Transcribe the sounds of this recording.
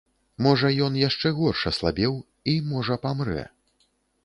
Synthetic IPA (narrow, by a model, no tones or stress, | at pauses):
mɔʐɐjɔnjaʂt͡ʂɛɣɔrʂɐslˠabʲɛw | imɔʐɐpamɾɛ̰